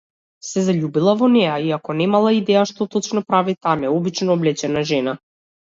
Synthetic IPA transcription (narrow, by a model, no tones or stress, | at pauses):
sɛzaʎubilˠavɔnɛjaiakɔnɛmalˠaid̪ɛjaʃt̪ɔt̪ɔt͡ʃnɔpɾavit̪amɛɔbit͡ʃnɔːblɛt͡ʃɛnaʒɛna